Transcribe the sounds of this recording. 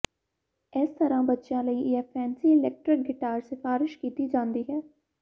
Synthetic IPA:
ɛːst̪əɾãbɐtːʃjãləĩjapʰɛːnsiɪlɛːk̚ʈɾɪk̚ɡɪʈaːɾsɪfaːɾɪʃkiːt̪id͡ʒãːnd̪iɦɛː

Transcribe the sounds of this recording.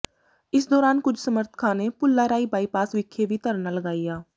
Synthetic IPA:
ɪsd̪ɔːɾaːnkʊd͡ʒʱsəməɾt̪ʰə̥kʰãːneːpʊlːaːɾaːiːbaːiːpaːsʋɪkʰːeːʋiːt̪əɾnaːləɡaːijaː

